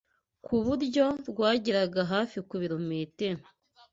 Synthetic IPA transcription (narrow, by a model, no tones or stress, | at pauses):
kʰuβuɾɟo̞ɾɡwaːɟiɾaɡaɦaːfikuβiɾomete